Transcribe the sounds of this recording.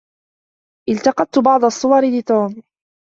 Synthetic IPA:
ʔɪlt̪ɑqɑd̪̚t̪ʊbɑʕd̪ˤɑsˤːʊwɑɾɪlɪt̪uːm

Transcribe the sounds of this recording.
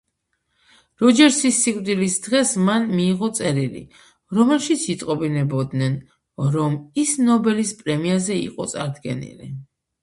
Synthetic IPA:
ɾɔd͡ʒɛɾsisikʼwd̪ilisd̪ʁɛsmanmiːʁɔt̪sʼɛɾilḭ | ɾɔmɛlˠʃit̪sʰit̪sʼqʼɔbinɛbɔd̪nɛn | ɾɔmisnɔbɛlispʼɾɛmiazɛḭqʼɔt̪sʼaɾd̪ɡɛ̰nḭlḭ

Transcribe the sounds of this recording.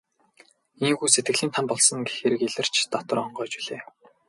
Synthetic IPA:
iŋxujset̪̚ɡɘ̆ɮiːnt̪ʰampɔɮsɞ̆ŋɡexeɾɘ̆keɮɘ̆r̥t͡ɕʰt̪ɔt̪ɞ̆rɔɴɢœːt͡ɕpiɮeː

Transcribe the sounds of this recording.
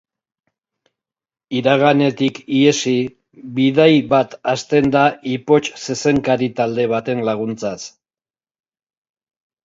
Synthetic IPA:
iɾaɣ̞ane̞t̪ikiesi | βiðajβat̪ast̪e̞nd̪aipo̞t͡ʃse̞se̞ŋkaɾit̪ald̪e̞βat̪e̞nlaɣ̞unt͡sas

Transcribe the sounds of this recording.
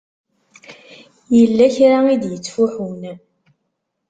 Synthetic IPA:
jəlːæçɾaid̪jət͡sːfuħun

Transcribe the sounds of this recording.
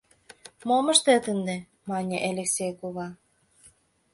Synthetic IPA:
momə̆ʃt̪et̪ə̆nd̪ĕ | mɑnʲeʔelʲeksʲejkuβɑ

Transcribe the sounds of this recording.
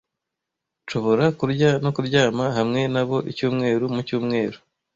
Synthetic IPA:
ʃo̞βo̞ɾakuɾɟano̞kuɾɟaːmaɦamŋe̞naβo̞ʔicuːmŋe̞ːɾumucuːmŋe̞ːɾu

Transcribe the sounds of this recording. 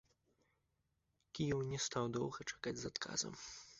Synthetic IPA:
kʲijɔwnʲɛst̪awd̪ɔwɣɐt͡ʂḁkad͡zʲzat̪kʰa̰zɐ̰m

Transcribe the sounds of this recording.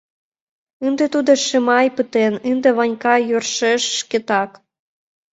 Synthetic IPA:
ɨnd̪ĕt̪ud̪ŏʃəmɑjpət̪enɨnd̪ĕβɑnʲkɑjørʃeʃːket̪ɑk

